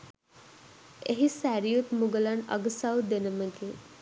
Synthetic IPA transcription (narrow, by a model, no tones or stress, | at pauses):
eɦisæɾijut̪muɡəlanɐ̰ɡəsawd̪enəməɡe